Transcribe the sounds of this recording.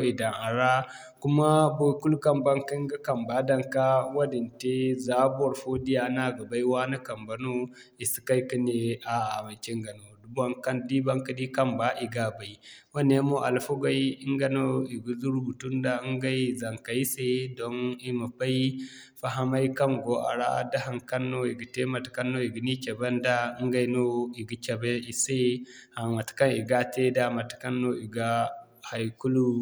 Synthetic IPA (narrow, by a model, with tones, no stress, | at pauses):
i˨da˨ŋa˨ɾa˦ | ku˦ma˦bo˦ku˦lka˦mba˦ŋki˦ŋɡa˦ka˨mba˨˦da˦ŋka˦wa˦di˨nte˦za˦ba˨ɾfo˦di˦ja˨na˦˨ɡa˨ba˦i˦wa˦na˦ka˨mba˨no˦ | i˨si̥˨ka˦jki˦ne˨a˨a̰˨ma˨t͡ʃi˦ŋɡa˨no˨du˦ba˦ŋka˦ndi˦ba˦ŋka˦di˦ka˦mba˦ʔi˨ɡa˦˨ba˨i˨wa˦ne˦mo˦ʔa˨lfo˦ɡa˦i˦i˦ŋɡa˨no˦i˨ɡu˨zu˦ɾu˦bu˨tu˦nda˦ŋɡa˦i˦za˨ŋka˨ji˦se˦do˦ŋi˦ma˨pa˦ji˦ | fa˨ɦa˦ma˦jka˦mɡo˨˦ʔa̰˨ɽa̰˦˨da˦ɦa˨ŋka˦nːo˦i˨ɡi˨te˦ma˨tka˦nːo˦i˨ɡu˨ni˦kʲa˨ba˦nda˦ŋɡa˨jno˦i˨ɡi˦kʲa˨be˦i˨se˦ha˨ma˨tka˦ni˨ɡa˦te˦da˦ma˨tu̥˨ka˦nːo˦i˨ɡa˦ | ha˨jku˦lu˦